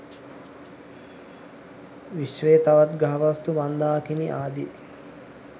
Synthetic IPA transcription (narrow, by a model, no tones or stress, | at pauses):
ʋiʃʋeːt̪aʋat̪ɡaɦɐʋɐst̪uʋand̪aːkiniʔaːd̪i